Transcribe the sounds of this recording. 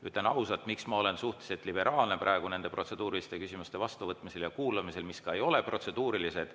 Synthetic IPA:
yt̪le̞nɑwsɑt̪miksmɑo̞le̞nsuht̪eset̪ːˑlibe̞ɾʔɑːlne̞pɾʔɑˑe̞ɡ̥une̞nd̪e̞pro̞t̪se̞d̪̥uːɾilist̪e̞kysimust̪e̞vɑst̪uvɤt̪ːˑmise̞ljɑkuːlɑmise̞lmiskɑejo̞le̞pro̞t̪se̞d̪̥uːɾilise̞d̪̥

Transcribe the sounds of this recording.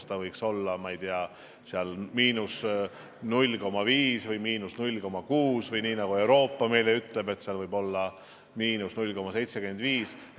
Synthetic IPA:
st̪ɑvɤjkso̞lːɑmɑejd̪iɑ | seɑlmiːnus | nulʲːko̞mɑviːsvɯjmiːnusnulʲko̞mɑkuːsvɯjniːnɑɡ̥ue̞wɾo̞ːpːɑme̞jleyt̪ˑle̞be̞t̪seɑlvɤjbo̞lːɑ | miːnusnulʲko̞mɑse̞jt̪se̞ke̞nd̪̥viːs

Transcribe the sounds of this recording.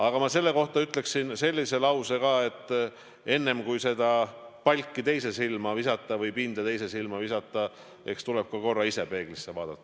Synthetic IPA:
ɑɡ̥ɑmɑse̞lːe̞ko̞ht̪ɑyt̪ˑle̞ksinse̞lʲːise̞lɑwse̞kɑːe̞t̪ːˑ | e̞nːe̞mkujse̞d̪̥ɑpɑlʲkːit̪e̞jse̞silmɑvisɑt̪ːˑɑvɤjpind̪̥ɑt̪e̞jse̞silmɑvisɑt̪ːˑɑ | e̞̰kst̪uleb̥̚kɑko̞rːɑisepe̞ːɡ̥lisːevɑːd̪ɑt̪ˑːɑ̥

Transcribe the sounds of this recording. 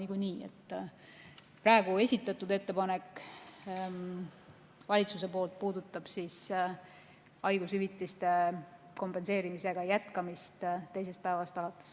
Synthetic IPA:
niɡuniːḛt̪ːˑ | prɑe̞ɡue̞sʲit̪ːˑɑt̪ːˑud̪e̞t̪ːe̞pɑne̞kˑː | vɑlʲit̪suse̞po̞ːlt̪̚puːd̪ut̪ːˑɑb̥sis | ɑjɡ̥ushyvit̪ːˑist̪e̞ | ko̞mpe̞nse̞ːɾimise̞ɡ̥ɑjæt̪kɑmist̪t̪ejse̞st̪̚pæevɑst̪ɑlɑt̪ːˑe̥s

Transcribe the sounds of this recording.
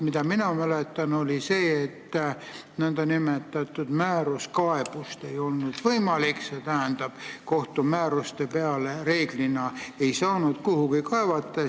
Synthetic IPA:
mid̪ɑminɑmælet̪ˑːɑno̞lise̞ːt̪ːnænd̪̥ɑnimet̪ːˑɑt̪ːˑud̪̥mæːɾuskɑe̞b̥ust̪e̞jo̞lnud̪̥vɤjmɑlikse̞t̪æɦænd̪̥ɑb̥ko̞ht̪umæːɾust̪e̞pe̞ɑlere̞ːɡ̥linɑe̞jsɑːnud̪̥kuhukikɑevɑt̪ˑːɑ

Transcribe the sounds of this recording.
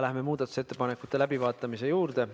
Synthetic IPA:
læhme̞muːd̪̥ɑt̪ːu̥se̞t̪ːe̞pɑne̞kːˑut̪ːˑe̞læbivɑːt̪ːˑɑmise̞juːrd̪̥e̞

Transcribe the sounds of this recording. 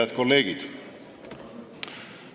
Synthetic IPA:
ɑd̪̥̚ko̞lːe̞ːɡ̥id̪̥

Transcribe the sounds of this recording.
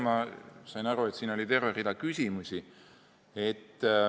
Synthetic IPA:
mɑsɑjnɑɾue̞t̪siːnolʲit̪e̞rverid̪ɑkysʲimusʲi | e̞t̪ː

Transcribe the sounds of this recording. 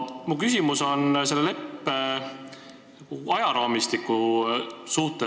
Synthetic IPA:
mukysʲimuso̞nse̞lːele̞pːe | ɑjɑɾɑːmist̪ikːˑu | suht̪e

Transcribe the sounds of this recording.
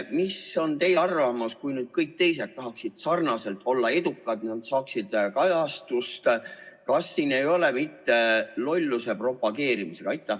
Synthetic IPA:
miso̞nt̪e̞jeɑrvɑmɑskujnyːd̪̥̚kɤjk̚t̪e̞jse̞t̪ːɑɦɑksid̪̥sɑrnɑse̞lt̪ʰˑo̞lːɑe̞d̪ukːˑɑd̪nɑd̪sɑːksid̪̥kɑjɑst̪ust̪kɑsːiːne̞jo̞lemit̪ːelo̞lʲːuse̞pro̞pɑɡe̞ːɾimise̞kɑɑjt̪ːˑæ

